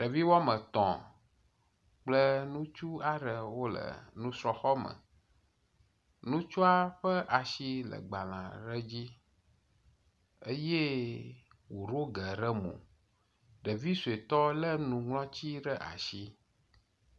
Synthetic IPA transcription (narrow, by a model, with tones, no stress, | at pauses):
ɖə˨vi˦wɔ˦mə̃˨t̪ɔ̰̃˨ | k͡plə˦nũ˦t͡ʃu˦a˦ɖə˨wo˦lə̰˨nũ˦sɾɔ˨xɔ˦mə̰̃˨ | nũ˦t͡ʃu˦a˦ɸə˦ʔa˨ʃi˦lə̰˨ɡ͡ba˨lã̰˨ɖə˦d͡ʑi˦ | ə˦je˦ | wo˨ɾo˦ɡə˨ɖə˦mõ̰˨ | ɖə˨vi˦su˨e˨t̪ɔ˦lə˦nũ˨ŋlɔ̃˦t͡ɕi˦ɖə˦ʔa̰˨ʃi˦